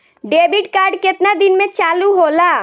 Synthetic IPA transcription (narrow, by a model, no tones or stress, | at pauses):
ɖeːbɪʈkaːɾɖkɪt̪nad̪ɪnmẽt͡ʃaːluɦoːlaː